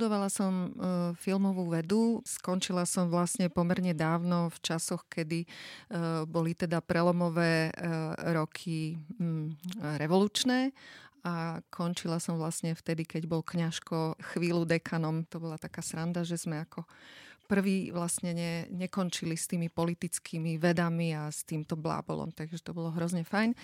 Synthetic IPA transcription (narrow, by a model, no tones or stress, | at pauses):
d̪ɔʋalasɔmfilmɔʋuːʋɛd̪uskɔnt͡ʃilasɔmʋlasɲɛpɔmɛɾɲɛd̪aːʊnɔft͡ʃasɔxkɛd̪i | bɔlit̪ɛd̪apɾɛlɔmɔʋɛː | ɾɔkʰi | ɾɛʋɔluːt͡ʃnɛːakʰɔnt͡ʃilasɔmʋlasɲɛft̪ɛd̪ikɛɟbɔlkɲaʃkɔxʋiːlud̪ɛkʰanɔmt̪ɔbɔlat̪akaːsɾand̪aʒɛz̥mɛakʰɔpr̩ʋiːʋlastɲɛɲɛɲɛkɔnt͡ʃilist̪iːmipɔlit̪it͡skʰiːmiʋɛd̪amiast̪iːmt̪ɔbla̰bɔ̰lɔ̰mt̪aɡʒɛt̪ɔbɔlɔɦɾɔzɲɛfajn